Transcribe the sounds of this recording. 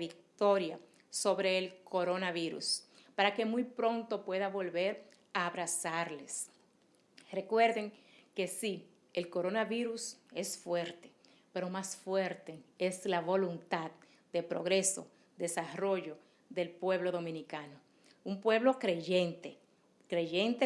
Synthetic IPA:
βik̚t̪o̞ɾja | so̞βɾe̞ːlkʰo̞ɾonaβiɾṵspaɾake̞mujpɾo̞nt̪o̞pwe̞ðaβo̞lβe̞ɾ | aːβɾasaɾles | re̞kwe̞ɾðe̞ŋke̞si | elko̞ɾo̞naβiɾuse̞sfwe̞ɾt̪e̥ | pe̞ɾo̞masfwe̞ɾt̪e̞eslaβo̞lunt̪að | d̪e̞pɾo̞ɣɾe̞so̞̰ | d̪e̞saro̞ʝo̞ | ðe̞lpwe̞βlo̞ðo̞mĩnikano | umpwe̞βlo̞kɾe̞ʝe̞nt̪e | kɾe̞ʝe̞nt̪e

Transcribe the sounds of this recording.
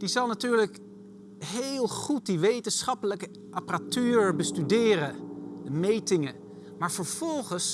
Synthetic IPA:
d̥izɑlˠnatyːɹlək | ɦelˠχut̚diʋejtənsχɑpələkə | ʔɑparatyːɹbəstydɪːrədəmejtɪŋə | maːɹvəɹv̥ɔlˠχəns

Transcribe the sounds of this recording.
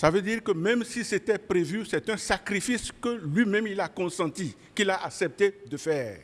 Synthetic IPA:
savød̪iːʁkəmɛ̃msiset̪ɛpʁevysɛt̪ɛ̃sakʁifiskəlɥimɛ̃milakɔ̃sɑ̃t̪i | kilaʔaksɛp̚t̪ed̪əfɛːʁ

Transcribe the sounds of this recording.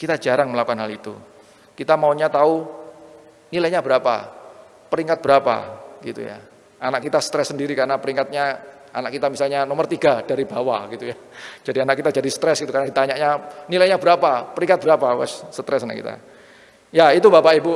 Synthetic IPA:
kit̪ad͡ʒaɾaŋməlakukanɦalit̪ṵ | kit̪amauɲat̪au | nilajɲabəɾapa̰ | pəɾiŋkat̪̚b̥əɾapa̰ɡḭt̪ṵja̰ | anakit̪asə̥t̪ɾɛsːəndiɾikaɾnapəɾiŋkat̪̚ɲa | a̰nakit̪amisalɲanomərt̪iɡad̥aɾibawaɡit̪uja | d͡ʒ̥adianakit̪ad͡ʒadisə̥t̪ɾɛsɡit̪ukarnait̪aɲaʔɲanilajɲabəɾapapəɾiŋkat̪̚bəɾapawɛ̰sːət̪ɾɛsanakḭt̪a̰ | jait̪ubapaibu

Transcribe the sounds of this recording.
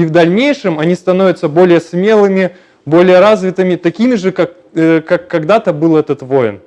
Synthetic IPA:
ivd̪ɐlʲnʲejʂɨmɐnʲist̪ɐno̞vʲɪt̪səbo̞lʲɪjəsmʲe̞lˠɨmʲɪ | bo̞lʲɪjəɾazvʲɪt̪ɨmʲɪt̪ɐkʲimʲɪʐɨkak | kakːɐɡd̪at̪əbɨlˠɛt̪ət̪vojɪ̰n

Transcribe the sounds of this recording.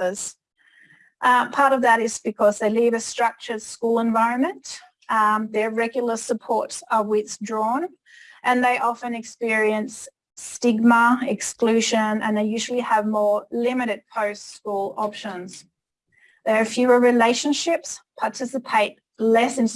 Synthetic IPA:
əz̥ | ʔpʰɑɹɾʌvðəɾɪz̥b̥ɨkʰʌzðeɪlivɨstɹ̥ʌk̚t͡ʃə˞dskulˠə̃ɱvaɪɹɨ̃nmɨ̃nt | ðə˞ɹɛɡjl̩ˠə˞səpʰɔɹtsəwɪθðdɹɔ̃n | ʔɨ̃nðeɪʔɑfɨ̃nɨkspɪɹiɨ̃ns | tɪɡ̚məɪksklʉʒə̃nɨ̰̃nðeɪjʉʒl̩ˠiəvmɔɹlɪ̃mɨɾɨd̚pʰoʊstskulˠɑpʃə̃nz̥ | ðə˞ːfjʉməɹileɪʃɨ̃nʃɪpspʰɑtʰɪsɨpʰeɪt̚ | lɛsɨ̃n

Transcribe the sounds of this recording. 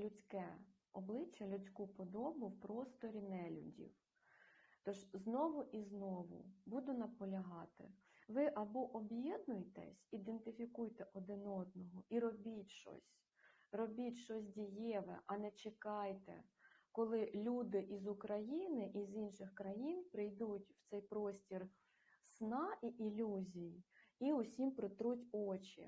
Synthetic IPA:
lʲʊt͡sʲkɛ | ɔblˠɪt͡ʃːɐlʲʊt͡sʲkupɔd̪ɔbʊwpɾɔst̪ɔɾʲinɛlʲʊ̰dʲḭw | t̪ɔʒznɔʋʊʔiznɔʋʊ̰bud̪ʊnɐpɔlʲɐɦɑt̪ɪ̰ | ʋɪʔɐbɔʔɔbjɛd̪nʊjt̪ɛ̰sʲid̪ent̪ɪfʲikujt̪ɛʔɔd̪ɪnɔd̪̚nɔɦɔiɾɔbʲitʲʃɔ̰sʲ | rɔbʲitʲʃɔsʲdʲijɛʋɛ̰ʔɐnɛt͡ʃekɑjt̪ɛ̰kɔlˠɪlʲud̪ɪʔizʊkɾɐjinɪʔizinʃɪxkɾɐjinpɾɪjd̪utʲw̥t̪sɛjpɾɔsʲtʲir | snɑʔiʔilʲuzʲijiiʊsʲimpɾɪt̪ɾutʲɔt͡ʃʲḭ

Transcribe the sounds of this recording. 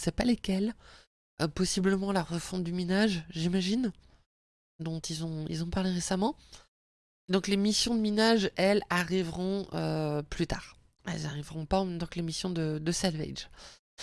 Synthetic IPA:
sɛpalekʲɛl | øpɔsibləmɑ̃laʁəfɔ̃d̪ymenaʒʒimaʒin | d̪ɔ̃t̪ilzɔ̃ḭlzɔ̃paʁleʁesamɑ̃ | d̪ɔ̃klemisjɔ̃d̪əmenaʒɛlaʁivʁɔ̃ʔøplyt̪aːʁ | ɛ̰lzaʁivʁɔ̃paɑ̃mɛmt̪ɑ̃kəlemisjɔ̃d̪əd̪əsalvɛ̰ʒ

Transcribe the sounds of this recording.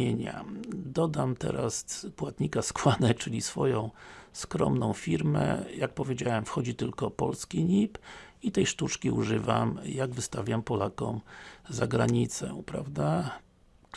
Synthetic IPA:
eɲa̰d̪ɔd̪amt̪ɛ̰ɾaspwat̪ɲikaskwanɛt͡ʂɘlʲisfɔjɔ̃w̃skɾɔ̰mnɔ̃w̃fʲiɾmɛ̰jak̚pɔvʲjed͡ʑawɛmfxɔd͡ʑit̪ɘlkɔpɔlskʲiɲipit̪ɛjʂt̪ut͡ʂkʲiuʐɘvamjaɡvɘst̪avʲjampɔlakɔ̰mzaɡɾaɲit̪sɛ̰pɾa̰vd̪a

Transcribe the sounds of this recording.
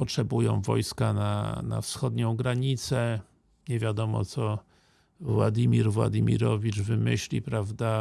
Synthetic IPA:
pɔtʂɛbujɔ̰̃w̃vɔ̰jskana̰na̰fsxɔd̪ɲɔ̃w̃ɡɾaɲit̪sɛ | ɲɛvʲjad̪ɔmɔ̰t̪sɔ | vwa̰d̪ʲimʲiɾvwa̰d̪ʲimʲḭɾɔvʲit͡ʂvɘmɘɕlʲipɾavd̪a

